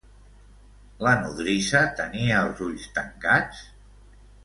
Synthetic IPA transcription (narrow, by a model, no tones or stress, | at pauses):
lənuðɾisət̪əniəːlˠzuʎst̪əŋkat͡s